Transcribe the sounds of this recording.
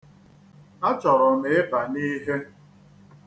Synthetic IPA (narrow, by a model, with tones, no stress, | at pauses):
a˦t͡ʃɔ˨ɾʊ˨mɪ˨ɪ˦pa˨ni˦ɦe˦